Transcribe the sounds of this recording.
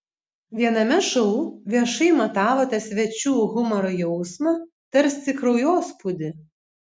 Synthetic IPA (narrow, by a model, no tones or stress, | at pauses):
ʋʲiɛnɐmʲɛʃɔʊʋʲiɛʃɐɪmɐt̪ɑːʋoːt̪ɐsʲʋʲɛt͡ʃʲuːɣʊmɔɾɔjɛʊsmɐ | t̪ɐɾʲst̪ʲɪkɾɔʊjoːspʊd̪ʲɪ